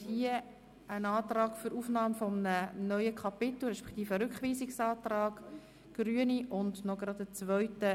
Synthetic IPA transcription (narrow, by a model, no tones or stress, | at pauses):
hiə | ənɑːt̪rɑːɡ̥fʏɾuːfnɑːmfɔmənənœʏəkʰɑpɪt̪l̩ˠɾɛʃpɛ̥kt̪iːfəɾʏkχʋiːsɪksɑːt̪rɑːɡ̥ | ɡ̥ɾyəniʔʊndnɔɡɾɑd̪ət͡svœɥtə